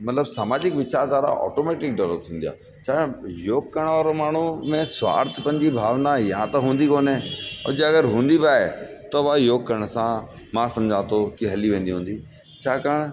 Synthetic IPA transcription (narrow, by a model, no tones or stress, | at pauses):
mɐt̪ləbsaːmaːd͡ʑɪkʋɪt͡ɕaːɾd̪aːɾa̰ʔɔ̰ːʈoːmeːʈɪk̚ɖɛləp̚t̪ʰĩːnd̪ija̰ː | t͡ɕʰaːjoːɡkəɽ̃ʋaːɾomaːɳ̤umẽsʋa̰ːɾt̪ʰpɐ̃ɲd͡ʑibʱaːʋnajãt̪ɐɦũːn̆d̪ikoːneo̰d͡ʑəɐɡəɾɦũːn̆d̪ibaːet̪ɐʋajoːɡ̚kɐɾəɽ̃sã | mãsɐ̃md͡ʑʱãːt̪okɪɦɐliʋẽːnd̪iɦũːnd̪i | t͡ɕʰaːkaːɽ̃